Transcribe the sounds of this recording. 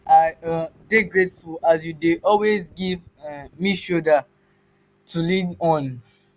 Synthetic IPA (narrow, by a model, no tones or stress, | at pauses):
adeɡɹetfulasjudeʔɔlwezɡivmiʃodə | tʰulinɔ̃n